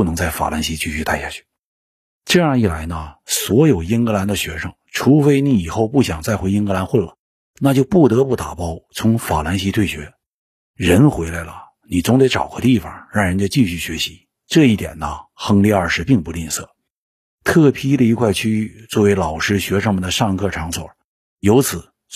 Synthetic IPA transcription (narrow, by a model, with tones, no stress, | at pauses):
u˥˩nɤ˧˥ŋt͡sa˥˩ɪfa̰˨˩la˧˥nɕi˧˥t͡ɕʰy˥˧ɕy˥˧t̪a˥˧ɪɕja̰˥˩t͡ɕʰy̥˥˩ | ʈ͡ʂɤ˥˧jɑ˥˧i˥˩la˧˥ɪnə˧swɔ˧˥jo˨˩ʊji˥nkɤ˧˥la˧˥nd̪ə˧ɕɥɛ˧˥ʂɤ˧˥˩ŋʈ͡ʂʰu˧˥fe˧˥ɪni˧˥i˨˩xo˥˧ʊpu˥˩ɕjɑ˨˩ŋt͡sa˥˩ɪxwe˧˥ɪi˥nkɤ˧˥la˧˥nxwə˥˩nlə˨˩ | na˥˧t͡ɕjo˥˧ʊpu˥˩t̪ɤ˧˥pu˥˩t̪a˨˩pɑ˥ʊt͡sʰʊ˧˥ŋfa˨˩la˧˥nɕi˧˥t̪ʰwe˥˩ɪɕɥɛ˧˥ | ɻə˧˥nxwe˧˥ɪla˧˥ɪlə̰˧ | ni˨˩t͡sʊ˧˥ŋt̪e˧˥ɪʈ͡ʂɑ̰˨˩ʊkʰɔ˧˥t̪i˥˩fɑ̰˨˩ŋɻɑ˥˩ŋɻə˧˥nt͡ɕo˧t͡ɕi˥˧ɕy˥˩ɕɥɛ˧˥ɕi̥˧˥ | ʈ͡ʂɤ˥˧i˥˩t̪jɛ̰˨˩nːə˦xɤ˥ŋli˥˧ə˞˥˧ʂɻ̩˥˧pi˥˧ŋpu˧li˥˧nsɤ˥˩ | t̪ʰɤ˥˩pʰi˥d̪ə˨i˧˥kʰwa˥˧ɪt͡ɕʰy˥y˥˧t͡swɔ˥˩we˧˥ɪlɑ˨˩ʊʂɻ̩˥ɕɥɛ˧˥ʂɤ˧˥ŋmə˨nd̪ə˧ʂɑ˥˧ŋ˧kʰɤ˥˩ʈ͡ʂʰɑ˧˥ŋswɔ̰˨˩˦ | jo˧˥ʊt͡sʰɹ̩˨˩˦